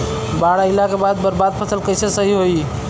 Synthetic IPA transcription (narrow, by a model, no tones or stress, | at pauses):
baːɽaɪlakebaːd̪̚bəɾbaːd̪̚pʰəsəlkəɪsesəɦiɦoi